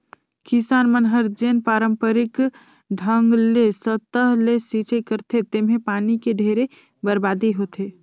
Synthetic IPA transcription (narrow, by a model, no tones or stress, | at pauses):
kisaːnmənɦəɾd͡ʒenpaːɾəmpəɾɪk | ɖʱəŋɡlesət̪əɦlesit͡ʃekəɾt̪ʰet̪emɦẽpaːnikeɖʱeːɾe | bəɾbaːd̪eɦot̪ʰe